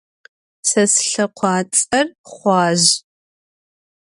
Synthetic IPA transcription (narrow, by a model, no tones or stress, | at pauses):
sɐsɬɐqʷʰɑːt͡sʼɐrχʷɑːʑ